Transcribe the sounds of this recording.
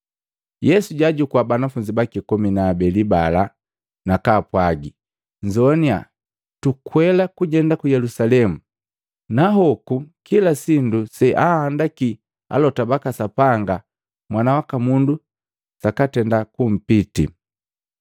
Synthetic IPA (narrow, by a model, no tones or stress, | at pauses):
jɛsuɟaɟukwabanafuɲd͡ʒibakikɔminaːbɛlibala | nakaːpwaɡi | ɲd͡ʒɔnia̰ | tukwɛlakuɟɛndakujɛlusalɛmu | naɦɔkukilasindusɛʔahandaki | a̰lɔtabakasapaŋɡa | mwanawakamundu | sakatɛndakum̩pitḭ